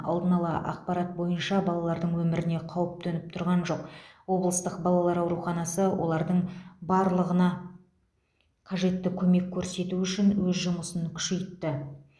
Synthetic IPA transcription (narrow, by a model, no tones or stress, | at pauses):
ɑ̰lˠd̪ənɑlˠɑ̰ʔɑ̰q̚pɑɾɑt̪̚bo̞jənʃɑbɑlˠɑlˠɑɾd̪əɴwɵmɪɾɪne̞qʰɑwəp̚t̪enɪp̚t̪ʰʊɾʁɑnʒo̞qwo̞blˠəst̪əqbɑlˠɑlˠɑɾɑwɾuχɑnɑsəwʔo̞̰lˠɑɾd̪əɴbɑɾlˠəʁənɑ | qʰɑʒe̞t̪ːɪkʲʰɵme̞kʲʰːɵɾse̞t̪uʏʃɪnwɵzʒʊməsəŋkʲʰʏ̥ʃe̞jt̪ːɪ